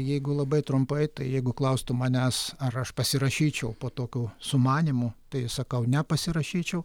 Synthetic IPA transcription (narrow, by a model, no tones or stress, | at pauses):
jɛɪɡʊlˠɐbɐɪt̪ɾʊmpɐɪt̪ɐɪjɛɪɡʊklˠɐʊst̪ʊmɐnʲæsɐrɐʃpɐsʲɪɾɐʃʲiːt͡ʃʲɛʊpoːt̪oːkʲuːsʊmɑːnʲimut̪ɐɪsɐkɐʊnʲɛpɐsʲɪɾɐʃʲiːt͡ʃʲɛʊ